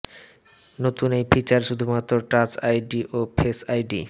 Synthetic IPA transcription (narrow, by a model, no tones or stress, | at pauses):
not̪unejpit͡ɕaɾʃud̪ʱumat̪ːɾoʈat͡ɕajɖiʔopʰesajɖḭ